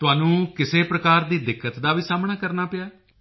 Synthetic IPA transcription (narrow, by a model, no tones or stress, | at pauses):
t̪ʊaːnũːkɪseːpɾəkaːɾd̪iːd̪ɪkːət̪d̪aːʋiːsaːmɳaːkəɾnaːpɪjaː